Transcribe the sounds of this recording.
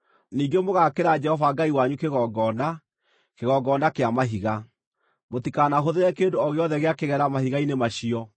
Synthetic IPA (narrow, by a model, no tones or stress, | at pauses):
niːɡemoɣakeɾad͡ʒɛhɔvaɡaiwaɲukeɣɔɡɔnda | keɣɔɡɔːndakeamaɦiɣa | motikanaɦoðeɾɛkendoɔɣeɔðɛɣeakeɣɛɾamahiɣainemaɕiɔ